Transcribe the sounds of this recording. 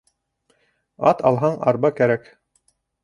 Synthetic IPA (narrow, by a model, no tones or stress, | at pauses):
ɑt̪ɑlˠɦɑɴɑ̰ɾbɑkæɾæk